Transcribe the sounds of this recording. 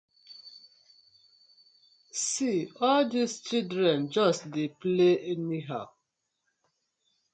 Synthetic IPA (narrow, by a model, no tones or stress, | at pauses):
siɔldist͡ʃildɹɛ̃nd͡ʒɔstdepleɛniɦaʊ